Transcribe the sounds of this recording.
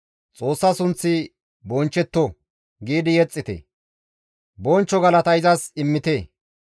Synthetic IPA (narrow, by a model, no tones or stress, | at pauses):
t͡sʼo̞ːsːɐsʊnt͡sːɪ | bɔnt͡ʃːɛt̪ːɔ | ɡiːd̪ɪjɛt͡sʼːɪt̪ɛ̰ | bɔnt͡ʃːɔɡɐlɐt̪ɐjzɐsɪmːɪt̪e